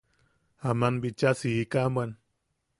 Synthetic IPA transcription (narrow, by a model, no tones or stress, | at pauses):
amanbit͡ʃasiikaman